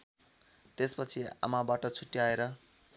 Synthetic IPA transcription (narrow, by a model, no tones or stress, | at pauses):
t̪espʌt͡sʰia̰mabaʈʌt͡sʰuʈːiaeɾʌ